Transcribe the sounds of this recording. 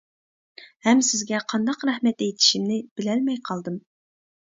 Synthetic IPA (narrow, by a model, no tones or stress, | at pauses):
hɛmsɪzɡʲɛqʰɑnd̪ɑqɾɛhmɛt̪ejt̪ʰɪ̥ʃimnɪb̥ɪlɛlmɛjqʰɑlˠd̪ɨm